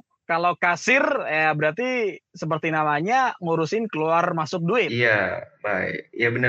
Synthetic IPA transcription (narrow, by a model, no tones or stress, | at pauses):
kalakasɪrjabəɾart̪isəp̬ərt̪inamaɲaŋuɾʊsɪnkəluarmasʊk̚duɪtiabaɪ̰k̚jabənə